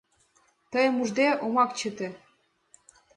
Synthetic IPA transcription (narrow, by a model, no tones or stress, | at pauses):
t̪əjə̆muʒd̪eomɑkt͡ɕət̪ĕ